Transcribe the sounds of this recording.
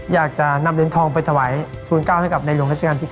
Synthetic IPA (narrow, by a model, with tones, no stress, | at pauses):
jaː˨˩k̚t͡ɕa˨˩na˧mli˨˦nt̪ʰɔː˧ŋpa˧jt̪ʰa˧waː˩˦j | t͡ɕ̪ʰuː˧nkaː˥˩wha˥˩ka˨˩p̚na˧jlu˧ŋɾa˦˥t͡ɕa˧aː˧t̪ʰiː˥˩